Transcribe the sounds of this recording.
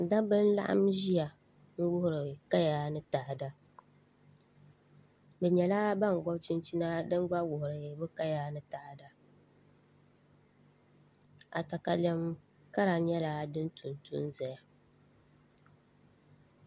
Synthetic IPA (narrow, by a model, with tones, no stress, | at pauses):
da˦bɨ˦n̩˦la̰˦ʔa̰˦mʒi˦a˨ | ŋ̩˦wʊ˦hʊ˨ɾɨ˨ka˦jaː˦nɨ˦taː˨ʔda˦ | bɛ˨ɲɛ˨la˦ba˦˨ŋ˨ɡɔ˦bt͡ʃi˦nt͡ʃi˦na˦dɨ˦n˦ɡ͡ba˦wʊ˨hʊ˨ɾɨ˨bɨ˦ka˦jaː˦nɨ˦ta˨ʔda˨ | a̰˨ta˨ka˨lɛ˦m | ka˦ɾa˨˦ɲɛ˦la˦dɨ˦n˦tʰu˨ntʰṵ˦nzɛ˨ja˨